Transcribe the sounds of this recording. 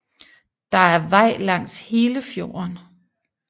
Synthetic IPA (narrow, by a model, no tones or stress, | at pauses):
d̥ɑ̈æɐʋɑ̈ɪ̰lɑ̈ŋ̰she̝ːləfjo̝̰ːɐn